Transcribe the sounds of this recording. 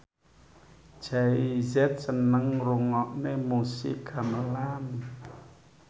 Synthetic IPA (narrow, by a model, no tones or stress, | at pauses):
d͡ʒ̥aizɛt̪̚sənəŋɾuŋɔʔnemusḭʔɡ̥ʰaməlam